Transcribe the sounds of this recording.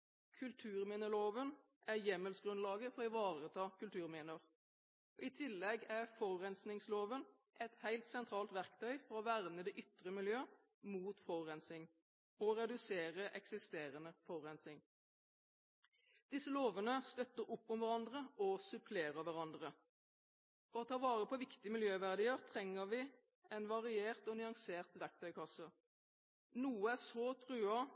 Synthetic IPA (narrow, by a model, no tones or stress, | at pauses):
kʰʉlt̪ʰʉːʁmiːnəloːʋən | ʔæʁjɛməlsɡʁʉnlɑːɡəfɔʁɪʋɑːʁət̪ʰɑːkʰʉlt̪ʰʉːʁmiːnəʁ | ɔɪt̪ʰɪlːɛɡæʁfɔʁːɛnsnɪŋsloːʋən | ʔɛt̪hæɪlt̪sɛnt̪ʰʁɑːlt̪ʋæʁkt̪ʰœʏfɔʁɔʋæʁnəd̪ɛʔʏt̪ʁəmɪljøː | muːt̪fɔʁːɛnsɪŋ | ɔʁɛd̪ʉseːʁəʔɛksɪst̪eːʁənəfɔʁʁɛnsɪŋ | d̪̥ɪsəloːʋənəst̪œt̪ːəʁʊpːʊmʋæʁɑnd̪ʁəɔsʉpʰleːʁəʋæʁɑnd̪ʁə | fɔʁɔt̪ʰɑːʋɑːʁəpʰɔʋɪkt̪ɪəmɪljøːʋæʁd̪iːəʁt̪ʰʁɛŋːəʋɪ | ɛnʋɑʁɪeːʁt̪ɔnʏɑŋseːʁt̪ʋæʁk̚t̪ʰœʏkʰɑsə | nuːəæsɔːt̪ʰʁʉːɑ